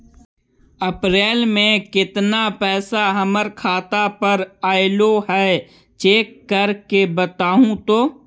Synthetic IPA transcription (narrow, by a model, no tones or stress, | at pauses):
ɐpɾeːlmẽkɪt̪napɛːsaɦəməɾkʰaːt̪apəɾaːɪloɦɛː | t͡ʃeːkːəɾkebət̪aːɦũt̪oː